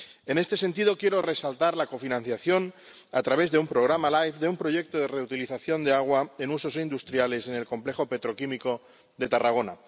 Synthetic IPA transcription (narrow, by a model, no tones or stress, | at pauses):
e̞ne̞st̪e̞se̞nt̪iðo̞kje̞ɾo̞re̞salt̪aɾlako̞finãn̟θjaθjo̞n | at̪ɾaβ̞e̞zðeumpɾo̞ɣɾamalajfðe̞umpɾo̞ʝje̞k̚t̪oð̞e̞re̞ut̪iliθaθjo̞nd̪e̞aɣ̞waenuso̞sind̪ust̪ɾjale̞se̞ne̞lko̞mple̞xo̞pe̞t̪ɾo̞kimiko̞ | ðet̪araɣ̞o̞na̰